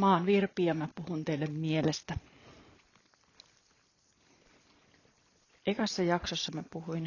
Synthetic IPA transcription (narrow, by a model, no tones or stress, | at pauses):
mɑːnʋirpiɑmæpuhunt̪eilːemmielest̪æ | ekɑsːɑjɑksosːɑmepuhuin